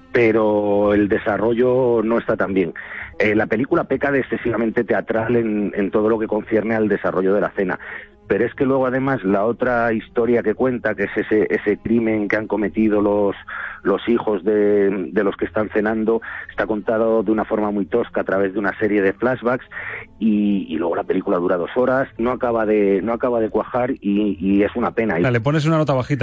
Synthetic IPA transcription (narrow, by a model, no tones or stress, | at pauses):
pe̞ɾo̞e̞ld̪e̞saro̞ʝo̞no̞e̞st̪at̪ambje̞ŋelape̞likulape̞kaðesθe̞siβamẽ̞nt̪e̞t̪e̞at̪ɾale̞nḛnt̪o̞ð̞o̞lo̞ke̞ko̞nθje̞ɾneald̪e̞saro̞ʝo̞ð̞e̞la̰θe̞na̰ | pe̞ɾo̞e̞ske̞lwe̞ɣ̞oaðemazlao̞t̪ɾaist̪oɾjake̞kwe̞nt̪ake̞seseʔese̞kɾimẽ̞ŋkeaŋko̞me̞t̪ið̞o̞lo̞slo̞sixo̞zðe̞d̪e̞lo̞ske̞st̪anθe̞nãnd̪o̞est̪ako̞nt̪aðoðeunafo̞ɾmamuijt̪o̞skaːt̪ɾaβ̞e̞zðe̞unase̞ɾje̞ð̞e̞flazβaksiːlwe̞ɣo̞lape̞likulaðuɾað̞o̞so̞ɾasno̞akaβaðe̞no̞akaβað̞e̞kwaxaɾiːe̞sunape̞naile̞p̬o̞ne̞s̬unano̞t̪̬aβaxit̪